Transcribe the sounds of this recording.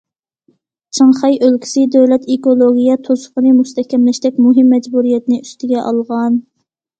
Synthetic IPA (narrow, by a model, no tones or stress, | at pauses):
t͡ʃʰəŋχɑjʔølkʲʰi̥sɪd̪øwlɛt̪ekolˠoɡʲijɛt̪ʰosʊ̥qənɨmust̪ɛkʲʰɛmlɪʃt̪ɛkʲmuɦɪmːɛd͡ʒbuɾijɛt̪ɪnɪyst̪ʰɪɡʲɛʔɑ̰lˠʁɑn